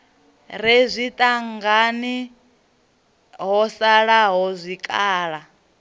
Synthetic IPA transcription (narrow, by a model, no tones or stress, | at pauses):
ɾezʷit̪ʼaŋɡani | ɦɔsaɺaɦɔzʷikʼaːɺa